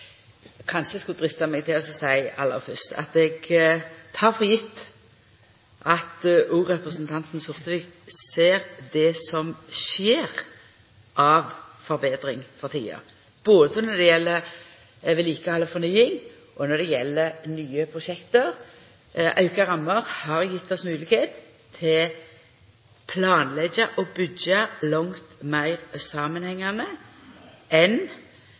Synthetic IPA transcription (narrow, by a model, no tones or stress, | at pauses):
kʰɑnʃəskʉld̪ɾɪst̪ɑmɛɡ̚t̪ʰɪlɔsɔsæɪɑ̰lːə̰ʁfœʁst̪ʰɑ̰t̪ɛɡ | t̪ʰɑːʁfɔjɪt̪ː | ʔɑt̪ʔuːɾɛpɾʁəsnt̪ʰɑnt̪n̩sʊʁt̪əʋɪkt̪seːɾd̪ɛsɔmʃeːɾ | ʔɑʋfɔɾbeːd̪ɾɪŋfɔʁt̪ʰḭːə̰ | b̥oːd̪əsənɔd̪ɛjɛlːə | ʋɪliːkəhɑlːəfɔnyːɪŋ | ʔɔnɔd̪ɛjɛlːənyːəpʰɾʊʃɛkt̪əɾ | ʔɑʉkəɾɑmːəʁhɑɾjɪt̪ːɔsmʉːlɪkheːt̪ʰː | ɪl | pʰlɑːnlɛɡəʔɔbʏɡɑlɔŋt̪mæɪʁsɑːmənhɛŋːɑnə | ɛn